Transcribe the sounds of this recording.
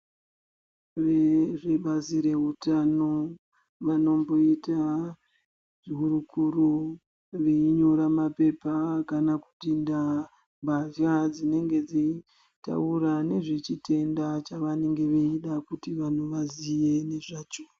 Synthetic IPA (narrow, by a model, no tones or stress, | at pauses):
ʋeʐe̞ɓaziɾe̞ɦutano̞ | ʋano̞mbo̞ita | ʐiɦuɾukuɾo | ʋeiɲo̞ɾamape̞pakanaku̥tinda | bʱaʃad͡zine̞ŋɡe̞d͡zi | ta̰uɾane̞ʐet͡ʃite̞ndat͡ʃaʋane̞ŋɡe̞ʋeiɗakutiʋan̤uʋazije̞ne̞ʐaːt͡ʃo